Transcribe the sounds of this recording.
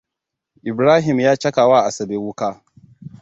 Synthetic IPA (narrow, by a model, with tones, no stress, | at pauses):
ʔɪ˨bɾaː˦ɦɪ˨mjaː˦t͡ʃɐ˦kaː˨waː˦˨ʔa˨sɐ˨beː˦wʊ˦kaː˦